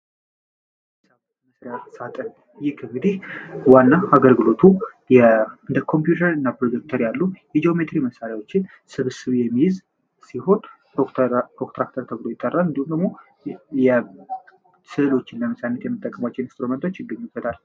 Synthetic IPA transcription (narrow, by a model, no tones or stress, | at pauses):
saβ | məsɾejasat̪ʼən | jɪkʰɨŋɡɨd̪ihwanːaaɡəlɡɨlo̞t̪ʰu | jɛɨnd̪əkʰo̞mpjut̪ʰəɾɨnːapɾo̞d̪uk̚t̪ʰəɾjalːujɛd͡ʒeome̞t̪ɾiməsaɾjawo̞t͡ʃːɪn | sɨβsɨβjɛmːihɪz | siho̞n | pokt̪ɾakt̪ʰəɾt̪ʰəβɨlo̞jɪt̪ʼːərːalɨnd̪ihumd̪əɡmo̞ | jɛ | sɨɨlo̞t͡ʃːɪnləməsanːət̪jɛmːɨt̪ʼːəkʼːəmat͡ʃːɛwnɪnst̪ɾument̪ʰo̞t͡ʃːɪɡːəɲːubət̪ʰal